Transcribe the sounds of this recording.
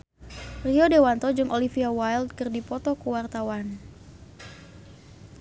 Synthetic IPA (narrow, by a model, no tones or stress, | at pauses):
riɔdewant̪ɔd͡ʒɨŋʔolifiawajld̚kɨrdipɔt̪ɔkuwart̪awan